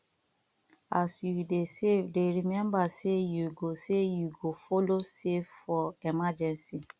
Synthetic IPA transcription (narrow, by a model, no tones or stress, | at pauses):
asjudesefdeɾimɛ̃mbasejuɡosejuɡofoloseffɔɛmad͡ʒɛ̃nsi